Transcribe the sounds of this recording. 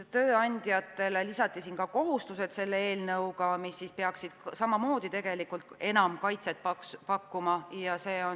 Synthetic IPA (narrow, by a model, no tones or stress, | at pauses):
t̪ø̞ːɑnʲd̪̥jɑt̪ːˑe̞lelisɑt̪ːˑisiːnkɑko̞ɦust̪use̞d̪se̞lːee̞ːlnɤwɡɑmisːispeɑksid̪̥ksɑmɑmo̞ːd̪it̪e̞ɡ̥e̞likult̪e̞nɑmkɑjt̪se̞t̪̚pɑkspɑkːumɑjɑse̞ːon